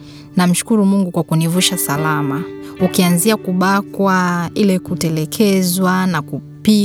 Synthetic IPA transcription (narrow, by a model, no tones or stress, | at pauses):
nam̩ʃu̥kuɾumuŋɡukwakunivuʃasalamaukianziakuɓakwailɛkutɛlɛkʰɛzwanaku | pi